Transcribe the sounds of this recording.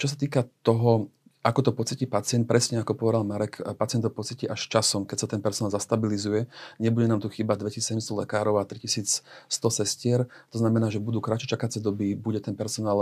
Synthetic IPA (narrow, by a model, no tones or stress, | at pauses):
t͡ʃɔs̬at̪iːkat̪ɔɦɔ | ʔakɔt̪ɔpɔt͡siciːpat͡sɪɛnt̪̚pɾɛsɲɛakɔpɔʋɛd̪almaɾɛkpat͡sɪɛnɔpɔt͡siciʔaʃt͡ʃasɔmkɛcsat̪ɛnpɛɾsɔnaːlzast̪abilizujɛɲɛbuɟɛnaːmt̪uxiːbad̪ʋɛcissɛɟɛmst̪ɔlɛkaːɾɔʊat̪ɾicisiːt͡sst̪ɔsɛscɪɛɾt̪ɔznamɛnaːʒɛbud̪uːkɾat͡ʃɛt͡ʃakat͡sɛd̪ɔbiːbuɟɛt̪ɛnpɛɾsɔnaːl